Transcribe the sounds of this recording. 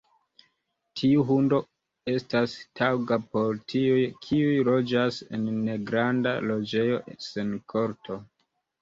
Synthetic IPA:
tʰiuɦundo̞ | e̞stastawɡapo̞ɾtʰiujkʰiujlo̞d͡ʒase̞̰nːe̞ɡɾanda̰lo̞d͡ʒe̞jo̞senkʰo̞ɾtʰo̞

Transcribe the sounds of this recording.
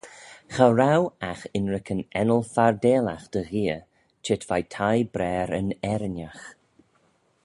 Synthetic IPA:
xaɾawaxɪnɹɪkʰənɛnəlˠfaɹdeːlaxd̪̥əɣiːə | t͡ʃʰɪtv̥ajtʰajbɾɛːɾənɛɾɪnax

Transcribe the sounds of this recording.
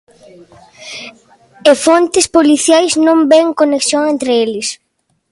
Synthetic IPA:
efont̪ɪspoliθjajznõmbeŋkoneksjoŋẽnt̪ɾɪelɪs

